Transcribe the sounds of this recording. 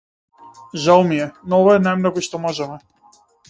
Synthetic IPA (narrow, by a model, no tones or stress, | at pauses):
ʒalˠmiɛnɔɔvaɛnajmnɔɡɔiʃt̪ɔmɔʒɛmɛ